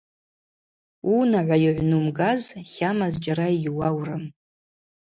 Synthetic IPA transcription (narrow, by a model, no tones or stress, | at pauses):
unaʕʷajɪʕʷnumɡazχʲamazd͡ʒaɾaijʲwawrɨm